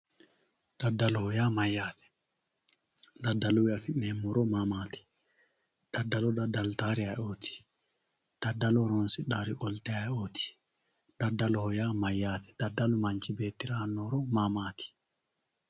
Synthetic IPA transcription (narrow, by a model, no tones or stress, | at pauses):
d̪̥ɐd̪ːɐlɔhɔjaːmɐjːaːt̪ɛ̥ | d̪ɐdːɐluwafɪnːeːmːɔɾɔmamaːt̪ɛ̥ | d̪̥ɐdːalɔd̪ɐd̪alt̪aːɾɪaoːt̪i̥ | d̪̥ɐd̪ːɐlɔɾɔnsɪɗaɾikɔlt̪ɛaot̪i̥ | d̪̥ɐd̪ːɐlɔhɔjaːmɐjːaːt̪ʰɛ̥d̪̥ɐd̪ːɐlʊmɐɲt͡ʃibeːt̪ːɪɾaːnːɔɾɔmamaːt̪i̥